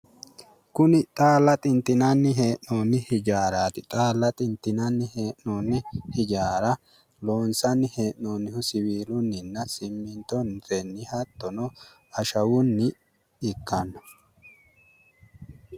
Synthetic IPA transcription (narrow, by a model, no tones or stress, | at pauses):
kʊnɪt̪ʼaːlːɐt̪ʼɪnt̪ɪnɐnːɪɦeːʔnoːnːɪhɪd͡ʒaːɾaːt̪ɪt̪ʼaːlːɐt̪ʼɪnt̪ːɪnɐnːɪheːʔnoːnːɪhɪd͡ʒaːɾɐ | loːnsɐnːɪhe̞ːʔnoːnːɪhʊsɪwiːlʊnːɪnːɐsɪmːɪnt̪ɔnt̪ɛnːɪhɐt̪ːɔnɔ | ɐʃɐwʊnːɪ | ɪkːɐnːɔ̥